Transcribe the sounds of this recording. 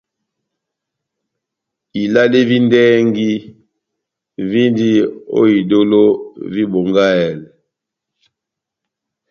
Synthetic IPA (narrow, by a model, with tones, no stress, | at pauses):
i˨la˦li˦vi˦ndɛ˦ŋɡi˦ | vi˦ndi˦o̰˦i˨do˦lo˦vi˦bo˨ŋɡa˦ɛ˨lɛ˨